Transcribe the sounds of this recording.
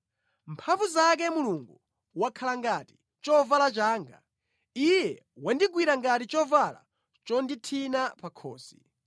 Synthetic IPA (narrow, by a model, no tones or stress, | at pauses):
mpʰaɱvuzak̬ɛmuluŋɡu | wakʰalaŋɡati̥ | t͡ʃɔvalat͡ʃaːŋɡa̰ | ijɛ | wandiɡwiɾaŋɡatit͡ʃɔvala̰ | t͡ʃɔnditʰinapakʰɔːsi̥